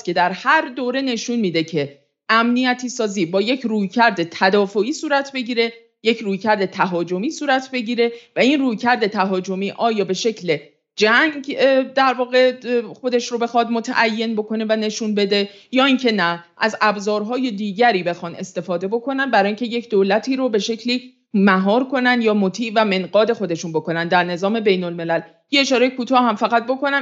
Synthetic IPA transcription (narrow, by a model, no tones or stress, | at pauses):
cʰe̞d̪æɾhæɾd̪oːɾe̞ne̞ʃunmiːd̪e̞cʰe̞ | æmnijæt̪ʰiːsɒːziːbɒːje̞cʰruːjcʰæɾd̪e̞t̪ʰæd̪ɒːfoiːsuːɾæt̪ʰbe̞ɟiːɾe̞ | je̞cʰruːjcʰæɾd̪e̞t̪ʰæɦɒːd͡ʒo̞miːsuːɾæt̪ʰbe̞ɟiːɾe̞væinruːjcʰæɾd̪e̞t̪ʰæɦɒːd͡ʒo̞miːʔɒːjɒːbe̞ʃe̞cʰle̞ | d͡ʒæŋɟd̪æɾvɒːɣe̞xo̞d̪e̞ʃɾobe̞xɒːd̪mo̞t̪ʰæ̰ʔæjːe̞nbo̞kʰo̞ne̞væne̞ʃunbe̞d̪e̞ | jɒːiŋcʰe̞næʔæzæbzɒːɾɦɒːje̞d̪iːɟæɾiːbe̞xɒːne̞st̪e̞fɒːd̪e̞bo̞kʰo̞nænbæɾɒːjiŋcʰe̞je̞cʰd̪olæt̪ʰiːɾobe̞ʃe̞cʰliː | mæɦɒːɾkʰo̞nænd̪jɒːmot̪ʰiːʔvæme̞nɢɒːd̪e̞xo̞d̪e̞ʃunbo̞ko̞nænd̪æɾne̞zɒːme̞be̞jnolme̞læl | jeeʃɒːɾejekʰuːt̪ʰɒːɦæmfæɣæt̪̚bo̞ko̞næ